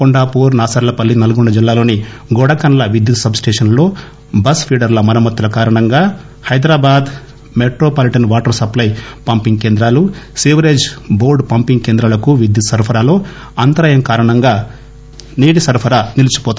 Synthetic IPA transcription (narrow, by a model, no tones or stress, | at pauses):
koɳɖaːpuːɾnaːsɐɾɐlɐpɐlːinɐlɐɡuɳɖɐd͡ʒilːaːlo̞ːni | ɡɔɽɐkɐnɐlɐʋid̪jut̪sɐbsʈeːʂɐnlo̞ː | bɐspʰiːɖɐɾlɐmɐnɐmɐt̪ːulɐkaːɾɐɳɐŋɡaː | hɐjd̪ɾaːbaːd̪ | meʈɾoːpɐliʈɐnʋaːʈɐɾsɐplɐjpɐmpiŋɡ̚ke̞ːnd̪ɾaːlusiʋɐɾeːd͡ʒboːɾɖpɐmpiŋɡkeːnd̪ɾɐlɐkuʋid̪jut̪sɐɾpʰɐɾaːlo̞ː | ɐnt̪ɐɾɐjɐmkaːɾɐɳɐŋɡaː | niːɽisɐɾpʰɐɾaːnilut͡ʃu̥pɔːt̪